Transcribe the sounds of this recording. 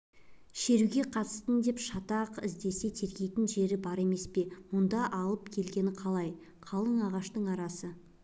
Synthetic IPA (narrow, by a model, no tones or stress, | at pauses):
ʃe̞ɾuɡʲe̞qʰɑt̪ə̥st̪ənd̪e̞pʃɑt̪ɑqɪ̰zd̪e̞se̞t̪ʰe̞ɾɡʲe̞jt̪ɪnʒe̞ɾɪbɑɾe̞me̞spe̞mʊnd̪ɑʔɑlˠəp̚kʲʰe̞lɡʲe̞nɪqʰɑlˠɑj | qʰɑlˠəɴɑʁɑʃt̪əɴɑɾɑsə